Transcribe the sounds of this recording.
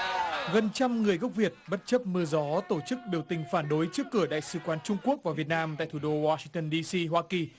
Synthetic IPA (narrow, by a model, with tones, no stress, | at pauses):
ɣə˨˩nt͡ɕa˧mŋɨ˨˩əjɣə˦˥k͡p̚vi˨˩ət̚ɓə˦˥t̚t͡ɕə˦˥p̚mɨ˧əzɔ˨˦t̪o˧˩t͡ɕɨ˦˥k̚ɓi˨˩əwt̪ï˨˩ŋ̟faː˧˩nɗo˨˦jt͡ɕɨ˦˥əkːɨ˧˩əɗa̰ː˧˨jsɨ̰˧kwaː˨˦nt͡ɕʊ˧ŋ͡mku˦˥ək̚vaː˨˩vi˨˩ət̚naː˧mt̪a̰ː˧˨jt̪ʰu˧˨˩ɗo˧waː˧sï˧ŋt̪ə˧nɗi˧si˧ɦwaː˧ki˨˩